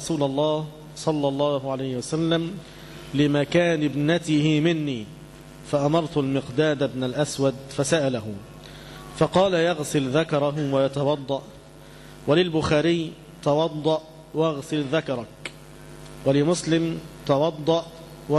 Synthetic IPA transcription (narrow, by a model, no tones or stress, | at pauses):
ɾˤɑsuːlɑlˤːɑːh | sˤɑlːɑlˤːɑːɦʕalajhɪwasalːam | lɪmakaːnɪbnat̪ɪhɪmɪnːiː | faʔamɑɾˤt̪ʊlmɪqd̪aːd̪abnalʔaswad̪fasaʔalaɦʊ | fɑqɑːlajɑɣsɪlðakɑɾˤɑɦwajɑt̪ɑwɑd̪ˤːɑʔ | walɪlbʊxaːɾɪj | t̪ɑwɑd̪ˤːɑʔ | wɑɣsɪlðakɑɾˤɑk | walɪmʊslɪmt̪ɑwɑd̪ˤːɑʔ | wa